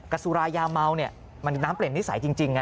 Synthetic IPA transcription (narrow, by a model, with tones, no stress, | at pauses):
ka˧su˧ɾaː˧jaː˧ma˧wni˦˥˩ɐ | ma˧n˧naː˦˥mpli˨˩nːi˦˥sa˩˦jt͡ɕi˧ŋt͡ɕi˧ŋːa˧˦˥